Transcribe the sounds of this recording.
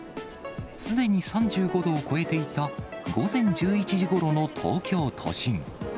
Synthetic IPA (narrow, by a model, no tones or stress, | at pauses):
sɨd̪e̞ɲ̟isãɲ̟d͡ʑɨːɡo̞d̪o̞ːko̞e̞t̪e̞it̪aɡo̞zẽ̞ɲ̟d͡ʑɨːit͡ɕiʑiɡo̞ɾo̞no̞t̪ʰo̰ːkʲo̞ːt̪ʰo̞̰ɕĩŋ